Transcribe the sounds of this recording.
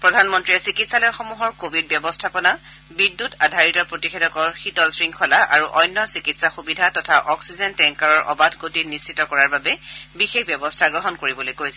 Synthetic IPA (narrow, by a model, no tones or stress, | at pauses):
pɹɔdʱanmɔntɹiɛsikitsalɔjaxɔmuɦɔɹkobʱid̚bjɔbɔstʰapɔna | bidːutadʱaɹitɔpɹotixedɔkɔɹxitɔsɹiŋkʰɔlaʔaɹuʔɔjnːɔsikitsaxubidʱatɔtʰaʔɔksizɛntɛŋkaɹɔɹʔɔ̰batɡotinist͡ʃitɔkɔɹaɹbabɛbixexbjɛbɔstʰaɡɹɔɦɔnkoɹibɔlojkojsɛ